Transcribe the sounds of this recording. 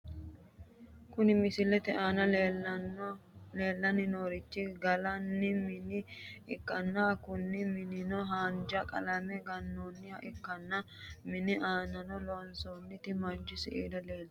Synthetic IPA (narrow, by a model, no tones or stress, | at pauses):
kʊnɪmɪsɪlɛt̪ɛʔaːnɐlː | leːlːɐnɪnoːɾɪt͡ʃːɪɡɐlɐnːɪmɪnɪɪkːɐnːakʊnːɪmɪnɪnɔɦaːnd͡ʒɐkʼɐ̰lɐmɛɡɐnːonːɪhɐʔɪkːɐnːɐ | mɪnɪʔaːnɐnɔlɔːnsoːnːɪt̪ɪmɐd͡ʒːɪsɪʔḛːd̪ɐleːld̪